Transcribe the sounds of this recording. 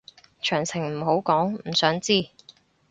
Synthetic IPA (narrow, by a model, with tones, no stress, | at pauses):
t͡ʃʰœː˨˩ŋsʰɪ˨˩ŋm̩˨˩ɦo˨˥wkɔː˨˥ŋm̩˨˩sœː˨˥ŋt͡siː˥˩